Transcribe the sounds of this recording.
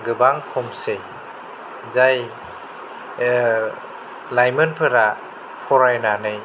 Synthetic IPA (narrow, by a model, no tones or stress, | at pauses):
ɡɯbaŋpʰɔmsej | zaj | lajmɯnpʰɯɾa | pʰɔɾajnanɯj